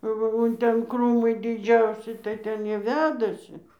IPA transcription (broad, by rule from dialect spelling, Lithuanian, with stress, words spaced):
ˈʋɐ oː ˈtʲɛn ˈkruːmɐɪ dʲɪˈd͡ʒʲɛʊsʲɪ tɐɪ ˈtʲɛn ˈjiɛ ˈʋʲæːdɐsʲɪ